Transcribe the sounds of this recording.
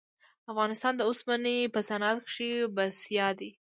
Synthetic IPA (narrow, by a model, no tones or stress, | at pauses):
afɣɑnɪst̪ɑnd̪əosmanepəsanat̪kʂibasjɑd̪i